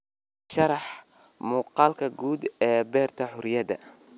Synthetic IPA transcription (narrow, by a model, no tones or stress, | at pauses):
ʃɑɾɑħ | muːqɑːlkʰɐɡuːd̪ɛːbɛːrt̪ʰɐħʊɾjɐdɐ̰